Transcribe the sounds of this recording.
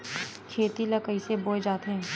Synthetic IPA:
kʰeːt̪ilɐkəiseboːed͡ʒaːt̪eɦɛ̃ː

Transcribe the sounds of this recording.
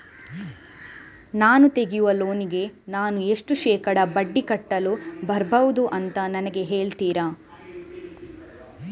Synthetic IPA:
naːnut̪e̞ɡijuʋɐlo̞ːniɡe̞naːnue̞ʂʈuʃɛːkɐɽɐbɐɖːikɐʈːɐlubɐɾbɐʋud̪uʔɐnt̪ɐnɐnɐɡe̞ɦeːɭt̪iːɾɐ

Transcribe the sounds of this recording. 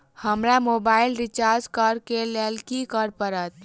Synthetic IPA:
həmɾamobaːɪlɾit͡ʃaɾd͡ʒkaɾkelelkikəɾpəɾət̪̚

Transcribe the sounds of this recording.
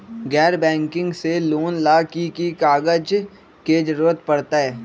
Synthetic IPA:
ɡɛːɾbɛ̃ːŋkɪ̃ŋɡseloːnlaːkikikaːɡəd͡ʒ | ked͡ʒəɾuːɾət̪pɐɽt̪aɦɛː

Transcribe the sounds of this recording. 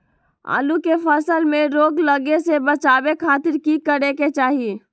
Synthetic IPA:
a̰ːlukefəsəlmẽɾoːɡləɡesebət͡ʃaːbekʰaːt̪ɪɾkikəɾeket͡ʃaːɦie

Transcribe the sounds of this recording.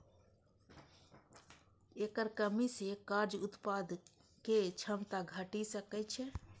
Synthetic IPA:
ekəɾkəmisekaɾd͡ʒʊt̪pad̪ | ket͡ʃʰəmt̪aɡʱəʈisəkɛt͡ʃʰɛ

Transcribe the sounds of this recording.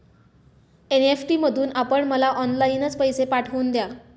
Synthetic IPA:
enefʈiːməd̪ʱuːnapəɳməlaʔɔnlainət͡spəjsepaʈʰʋəːnd̪ja

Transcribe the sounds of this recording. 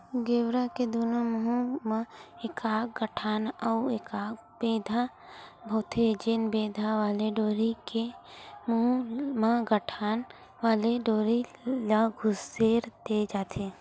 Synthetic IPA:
ɡeːwɾaked̪uːnaməɦumãekaːk̚ɡəʈʰaːnɔekaːk | beːd̪ʱa | bʱoːt̪ʰed͡ʒeːnbeːd̪ʱaʋaːleɖoːɾikemɦumãɡəʈʰaːn | ʋaːleɖoːɾilaɡʱʊseːɾd̪ed͡ʒaːt̪ʰe

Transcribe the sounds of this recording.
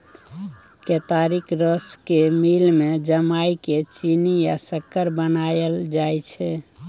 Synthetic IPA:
ket̪aɾikɾəskemilmed͡ʒəmajket͡ʃinija̰səkːəɾbənajəld͡ʒajt͡ʃʰɛ

